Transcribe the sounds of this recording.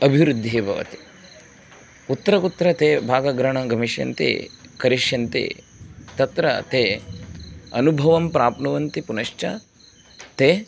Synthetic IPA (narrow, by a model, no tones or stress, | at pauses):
ɐbʱiʋɾud̪ʱːeːbʱɐʋɐ̰t̪i̥ | ut̪ːɐɾɐkut̪ːɾɐt̪eːbʱaːɡɐɡɾɐɳɐɡɐmiʃjɐ̰nt̪ḭːkɐɾiʃjɐnt̪ḭ | t̪ɐt̪ɾɐt̪eː | ɐnubʱɐʋɐmpɾaːpnɐʋɐnt̪ipunɐʃt͡ʃɐ̰ | t̪eː